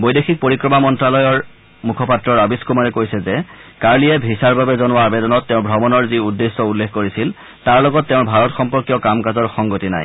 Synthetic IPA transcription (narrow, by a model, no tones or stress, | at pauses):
bɔjdexik̚poɹikɹɔmamɔntɹalɔjɔɹ | mukʰɔpatɹɔɹabiskumaɹɛkojsɛzɛkaɹliɛbʱisaɹbabɛzɔnʊwaabedɔnɔtːɛʊ̃bʱɹɔbɔnɔɹziudːesːɔulːexʰkoɹisil | taɹlɔɡɔtːeʊ̃bʱaɹɔtxɔmpɔɹkijɔkamkazɔɹxɔŋɡotina̰j